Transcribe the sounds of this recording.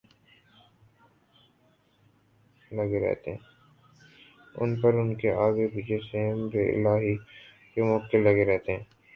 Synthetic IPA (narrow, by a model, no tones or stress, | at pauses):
lɐɡeɾɛ̰ɦt̪ḛɦɛ̃ | ʊ̰npɐɾʊnkeaːɡebid͡ʒesemɾeɪ̰laːɦi | kemɔkkɪlːɐɡeɾɛɦt̪eɦɛ̃ː